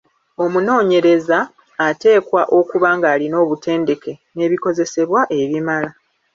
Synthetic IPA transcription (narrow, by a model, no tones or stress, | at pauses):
o̞muno̞ːɲe̞ɾe̞zaː | te̞ːkwaʔo̞kuβaŋɡaːlino̞ːβute̞ːnde̞ke̞ne̞ːβiko̞ze̞se̞βwaʔe̞βimala